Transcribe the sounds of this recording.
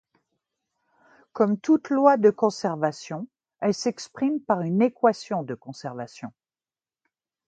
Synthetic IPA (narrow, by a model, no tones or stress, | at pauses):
kɔmt̪ut̪lwad̪əkɔ̃sɛʁvasjɔ̃ | ɛlsɛkspχimpaʁynekwasjɔ̃d̪əkɔ̃sɛʁvasjɔ̃